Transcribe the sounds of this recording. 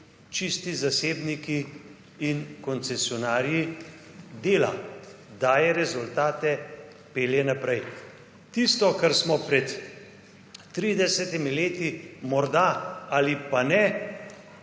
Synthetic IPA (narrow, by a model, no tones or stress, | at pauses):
t͡ʃist̪izaseːbnikiː | nkɔnt̪sɛsjɔnaːɾji | d̪eːlad̪aːjɛɾɛzult̪aːt̪ɛ | peːljɛnapɾɛj | t̪ist̪ɔkaɾsmɔpɾɛt̪ | ɾiːd̪ɛsɛt̪imileːt̪imɔɾd̪aalipanɛ